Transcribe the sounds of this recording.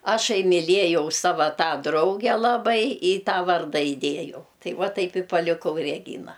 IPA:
ˈɑːʃɐɪ mʲɪˈlʲiɛjɛʊ ˈsɑːʋɐ ˈtɑː ˈdrɐʊɡʲɛ ˈlˠɑːbɐɪ ɪ ˈtɑː ˈʋɐrdɐ ɪˈdʲeːjɛʊ ˈtɐɪ ˈʋɐ ˈtɐɪp ɪ pɐlʲɪˈkɐʊ rʲɛˈɡʲiːnɐ

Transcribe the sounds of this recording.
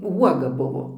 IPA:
ˈuɔɡɐ ˈbʊʋoː

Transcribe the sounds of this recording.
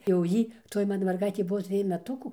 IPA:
jɛʊ ˈjiː toːj ˈmɑːnɐ mʲɛrˈɡɐɪtʲeː ˈbʊʋoː ˈtʲrʲɪj mʲɛˈtʊkuː

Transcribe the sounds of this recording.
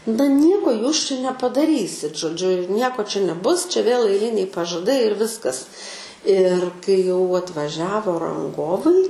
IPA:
nɐ ˈnʲiɛkoː ˈjuːs t͡ʃʲɛ nʲɛpɐdɐˈrʲiːsʲɪt ʒoːˈd͡ʒʲʊ ɪr ˈnʲiɛkoː t͡ʃʲɛ nʲɛˈbʊs t͡ʃʲɛ ʋʲeːlˠ ɐɪˈlʲɪnʲɛɪ pɐʒɐˈdɐɪ ɪr ˈʋʲɪskɐs ɪr kɐɪ jɛʊ ɐtʋɐˈʒʲæːʋoː rɐŋˈɡoːʋɐɪ

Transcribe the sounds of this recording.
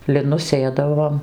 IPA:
lʲɪˈnʊs ˈsʲeːdɐʋoːm

